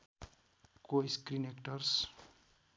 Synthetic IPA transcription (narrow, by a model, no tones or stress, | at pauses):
koskrinekʈʌrs